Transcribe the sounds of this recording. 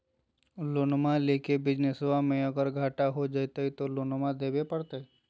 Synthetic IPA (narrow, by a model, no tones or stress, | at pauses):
lonmãlekebɪd͡ʒnesʋamẽəɡəɾɡʱaːʈaɦod͡ʒajt̪əit̪oloːnmãd̪eːbepəɽt̪əi